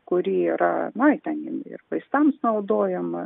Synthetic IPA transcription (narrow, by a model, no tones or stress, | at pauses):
kʊɾʲiːiɾɐnɐɪt̪ʲɛnɪɪ̰rʋɐɪst̪ɐmsnɐʊd̪oːjɛmɐ